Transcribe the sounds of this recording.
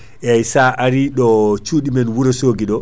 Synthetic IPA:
ʔɛajsaʔaɾiɗɔt͡ʃuːɗimɛnwuɾasoːɡiɗɔ

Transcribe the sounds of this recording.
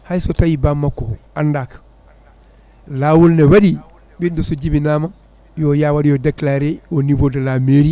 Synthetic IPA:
hajsotajibamːako | andaːk | laːwulnewadi | bindusuɟibinaːman | jojaːwadijodeklaɾeonivodalameɾi

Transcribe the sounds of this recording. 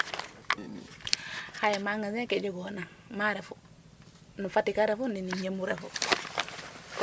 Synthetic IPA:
hajemaŋasekeɟoɡoonaŋmaɾefu | nufatikaɾefuniniɲemuɾefu

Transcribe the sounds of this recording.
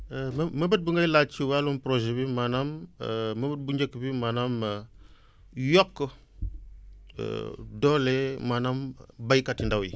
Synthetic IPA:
mməbət̚buŋɡailat͡ʃiwalumpɾoʒebimanamməbət̚buɲd͡ʒekːəbimanam | jokːə | dolemanambajikatindawḭ

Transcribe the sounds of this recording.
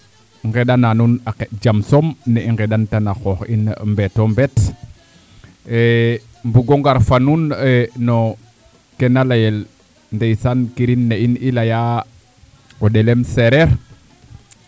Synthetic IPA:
ŋɡeɗananunaked͡ʒamsomneiŋɡeɗantanaxoxinmbetombet | e | mbuɡoŋɡaɾfanuneno | kenalajel | ndejsankiɾinːeinilaja | oɗelemseɾeɾ

